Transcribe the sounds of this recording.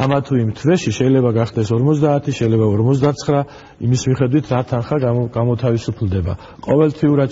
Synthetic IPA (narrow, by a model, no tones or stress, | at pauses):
amat̪ʰuimt̪ʰvɛʃiʃɛilɛbaɡaχd̪ɛsɔɾmɔzd̪aːt̪ʰiʃɛilɛbaɔɾmɔtzd̪at̪sʰχɾa | ḭmismiχɛd̪wit̪ʰɾat̪ʰanχaɡɡamɔt̪ʰavisupʰld̪ɛba̰ | qʼɔvɛlt̪ʰiuɾad̪